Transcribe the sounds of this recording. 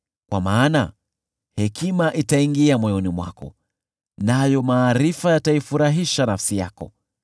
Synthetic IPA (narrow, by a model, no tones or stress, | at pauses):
kwa̰maːna | hɛkimaʔitaiŋɡiamwɔjɔnimwa̰kɔ̰ | najɔmaːɾifajataifuɾaɦiʃanafsija̰kɔ̰